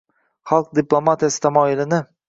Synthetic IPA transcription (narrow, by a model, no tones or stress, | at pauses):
χɑlˠq̚d̪ɪplˠomat̪ʰijasɪ̥t̪ʰamɒːɪlɪnɪ